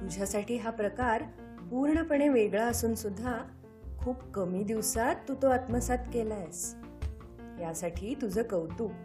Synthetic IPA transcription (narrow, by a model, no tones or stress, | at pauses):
t̪ud͡ʑʱasaʈʰiːɦapɾəkaɾ | puɾɳəpəɳeʋeɡɭaəsuːnsud̪ʱːa | kʰuːpkəmiːd̪iʋsat̪ːut̪oat̪məsat̪kelajs | jasaʈʰiːt̪ud͡zʱəːkəwt̪uː